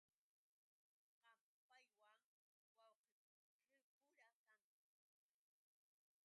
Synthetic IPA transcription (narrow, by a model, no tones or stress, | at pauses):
qɑm | pajwaŋ | wawqɪ | qɪpʊɾakaŋ